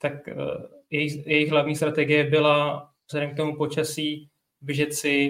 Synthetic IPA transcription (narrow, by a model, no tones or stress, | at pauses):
t̪akjɛjɪjɛjɪxɦlavɲiːst̪ɾat̪ɛɡɪjɛbɪla | vz̥ɛdɛmkt̪omupo̞t͡ʃasiː | bɪʒɛt͡sɪ